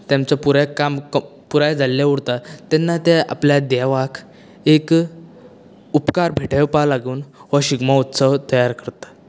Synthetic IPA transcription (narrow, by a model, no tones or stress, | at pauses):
t̪jamt͡sapuɾakamkpuɾajd͡zʱalːjauɽt̪at̪ɛnːat̪ɛa̰pljad̪aʋakʰ | ek | upkaɾbʱeʈʰəpalaɡuːnʋaɕiɡmaut̪səʋt̪əjaɾkəɾt̪ḁ